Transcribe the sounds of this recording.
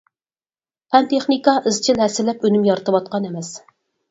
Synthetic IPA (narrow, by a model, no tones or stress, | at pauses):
pʰɛnt̪ʰeχnikɑʔɨzt͡ʃʰɪlɛsɪlɛpynymjɑɾɨt̪ʰɨwɑt̪̚qɑnemɛs